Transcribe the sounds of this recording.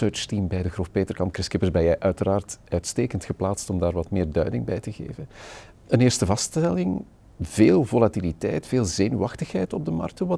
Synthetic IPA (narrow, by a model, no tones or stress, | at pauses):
œːt͡ʃtimbɛjdəɣrufpeːtərkɑnt̚krɪskɪpəzbɛjɛjʔœɥtəɾaːrtœɥtsteːkəntxəplaːtstɔmdaːrʋɑtmɪːrdœ̰ɥdɪŋbɛjtəɣḛːvən | ənɪːrstəvɑstɛlɪŋ | v̥eːlˠvolatilitɛjtfeːlˠzeːnyɑxtəxɦɛjtɔb̚dəmɑ̰rk̚təʋɑ